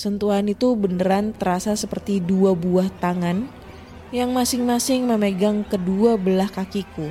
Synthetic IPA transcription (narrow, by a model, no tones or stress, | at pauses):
sənt̪uɦanit̪ubəndəɾant̪əɾasasəpərt̪iduabuaht̪aŋan | jaŋmasɪŋmasɪŋməməɡaŋkəduabəlahkakiku